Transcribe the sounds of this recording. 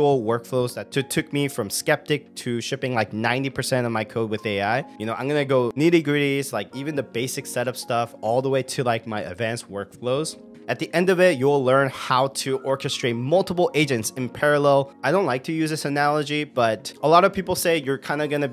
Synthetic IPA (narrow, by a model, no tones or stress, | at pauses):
l̩ˠwɜ˞kfloʊzðɨtʰɨtʰʊk̚mifɹʌ̃mskɛp̚tɨk̚tʰɨʃɪpɪ̃ŋlaɪk̚nãɪ̃ntipʰə˞sɛ̃ɾ̃ʌvmaɪkʰoʊd̚wɨðeɪaɪjɨnoʊãɪ̃mɡʌnɨɡoʊniɾɨɡɹiɾizlaɪkivɨ̃nðɨbeɪsɨksɛɾʌpstʌfɔlˠðəweɪɾɨlaɪk̚maɪɨ̰dvæ̃nswɜ˞kfloʊz̥ | ɨt̪̚ðiʔɛ̃ndʌvɪt̚jəwɪlɜ̃˞nhaʊɾɨʔɔɹkɨstɹ̥eɪt̚mʌlˠtəpl̩ˠeɪd͡ʒɨ̃ntsɨ̃npʰɛɹɨlɛlˠaɪɾõʊ̃nʔlaɪk̚tʰɨjʉzðɪsɨnælˠəd͡ʒib̥ʌɾəlɔɾʌv̥pʰipl̩ˠseɪjə˞kʰãɪ̃ndɨɡʌnɨ